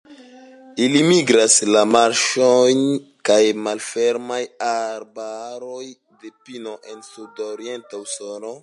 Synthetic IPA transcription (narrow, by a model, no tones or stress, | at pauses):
ilimiɡɾaslamaɾʃojnkajmalfeɾmajaɾbaɾoj | de̞pino̞ʔe̞nsudoɾie̞ntawsono